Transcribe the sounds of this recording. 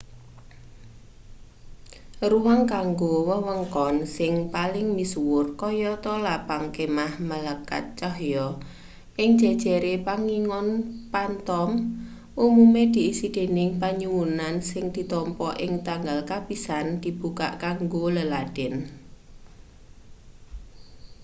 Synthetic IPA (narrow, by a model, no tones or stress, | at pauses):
ruwaŋkaŋɡowəwəŋkɔnsɪŋpalɪŋmiswʊrkɔjɔt̪ɔlapaŋkemahmalaka̰t̪̚t͡ʃɔhjɔ | ʔɪŋd̥ʒ̥ɛ̤d̥ʒ̥ɛ̤ɾepaŋiŋɔnpant̪ɔm | ʔumumed̪̥i̤ːsid̪̥e̤nɪŋpaɲuwunansɪŋd̪̥i̤t̪ɔmpɔʔɪŋt̪aŋɡalkapisand̪̥i̤b̥uka̰ʔkaŋɡoləlad̥ɪn